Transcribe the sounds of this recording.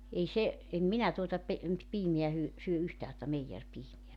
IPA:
ei se em minæ tuotɑ pe piːmeæ hyø syø yhtæː tŏtɑ meijerpiːmeæ

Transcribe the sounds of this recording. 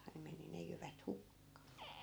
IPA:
ne meni ne jyʋæt hukːɑː

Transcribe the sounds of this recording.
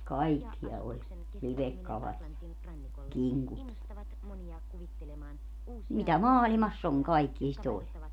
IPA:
kɑikːiɑ olʲ liʋekːɑlɑt jɑ kiŋkut jɑ mitæ mɑːlimɑsː oŋ kɑikːie sit olʲ

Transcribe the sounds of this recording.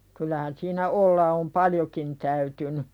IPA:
kylˑæhæn siːnæ olːɑ om pɑljokin tæytyny

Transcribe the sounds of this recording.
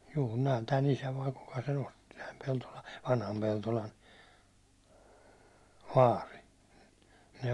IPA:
juː ne on tæn isæ ʋɑi kukɑ sen osti tæm peltolɑ ʋɑnhɑm peltolɑn ʋɑːri ne

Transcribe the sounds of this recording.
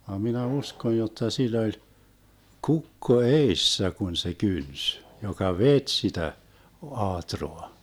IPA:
ʋɑm minæ uskoj jotːɑ silˑ olʲ kukːo eisːæ kun se kyns jokɑ ʋet sitæ ŏɑːtroɑ

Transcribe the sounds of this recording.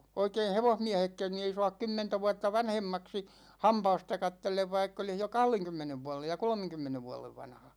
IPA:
oikein̞ heʋohmiæhekːæn ni ei soɑk kymːentæ ʋuɑtːɑ ʋɑnhemːɑksi hɑmpɑːstɑ kɑtːelːeʋ ʋɑikː olih jo kɑhleŋkymːeneʋ ʋuɑlej jɑ kolmeŋkymːeneʋ ʋuɑleʋ ʋɑnhɑ

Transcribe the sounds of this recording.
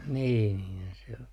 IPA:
niː niːnhæn se o

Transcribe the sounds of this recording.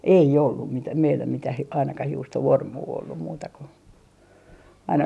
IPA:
ei olːum mitæ meilːæ mitæh e ɑinɑkɑh juːstoʋormuː olːum muːtɑ ku ɑinɑ

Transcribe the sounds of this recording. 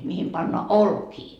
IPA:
mihim pɑnːoɑ olkiː

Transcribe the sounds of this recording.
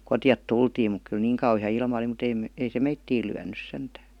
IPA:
kotĭjɑt tultiːm muk kyl niːŋ kɑuhiɑ ilmɑ ə̆li mut eim ei se meitːiːl lyænˑys sentæː

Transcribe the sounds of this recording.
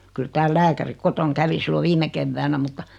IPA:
kyl tæːl læːkæri kotoŋ kæʋi silːo ʋiːme keʋːæːnæ mutːɑ

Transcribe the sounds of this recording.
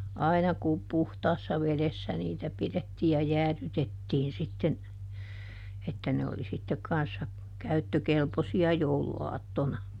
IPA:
ɑinɑ ku puhtɑːsːɑ ʋelesːæ niːtæ piðetːiː jɑ jæːðytetːiːn sitːen etːæ ne oli sitːek kɑnsːɑ kæytːøkelposiɑ jouluɑːtːonɑ

